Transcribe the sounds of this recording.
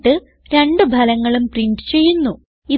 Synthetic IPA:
ʈːɨ | ɾe̞ɳɖɨbʱɐlɐŋːɐɭumpriɳɖɨ̥t͡ɕe̞jːunːu | i

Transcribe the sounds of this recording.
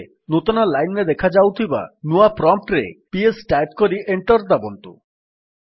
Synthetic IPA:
nut̪ɔnalajned̪ekʰad͡ʒawt̪ʰiba̰nuapɾɔmp̚ʈɾepiesʈajp̚kɔɾiʔeɳʈɔɾd̪abɔnt̪u

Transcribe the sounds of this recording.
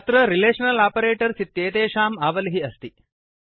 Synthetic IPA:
ɐt̪ɾɐɾileːʂɐnɐlaːpɐɾeːʈɐɾsit̪ːjeːt̪eːʃaːmaːʋɐliɦiɐst̪i

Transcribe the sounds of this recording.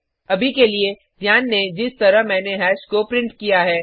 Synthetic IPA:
ɐbʱikelie | d̪ʱjaːnːed͡ʒɪst̪ɐɾəɦmɛ̃ːneɦɛːʃkopɾɪ̃ɳʈkijaɦɛː

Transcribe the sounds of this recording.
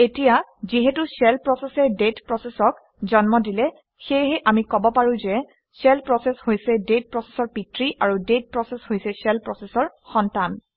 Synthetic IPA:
etijaziɦɛtusɛlpɹɔsɛsɛdetpɹɔsesɔk | zɔnmɔdilɛ | xejɦɛʔamikɔbɔpaɹʊ̃zɛ | sɛlpɹɔsɛshojsɛdet̚pɹɔse̥sɔɹpitɹiʔaɹudet̚pɹɔseshojsɛsɛlpɹɔsesɔɹ | xɔntan

